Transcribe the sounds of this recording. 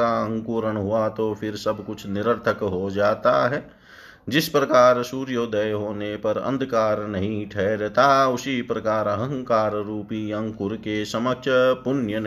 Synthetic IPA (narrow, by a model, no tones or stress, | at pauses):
aə̃ŋkuːɾəɳ̃ɦʊat̪opʰɪɾsɐbʱkʊt͡ʃʰnɪɾəɾt̪ʰəkɦod͡ʒaːt̪a̰ɦɛː | d͡ʒɪspɾɐkaːɾsuːɾjoːd̪əjɦoːnepɐɾə̰̃nd̪ʱkaːɾnɐɦĩʈʰɛːɾt̪aɦʊsipɾɐkaːɾəɦə̃ɦə̃ŋkaːɾɾuːpiɐ̃ŋkʊɾkesɐmək̚t͡ʃʰpʊnjən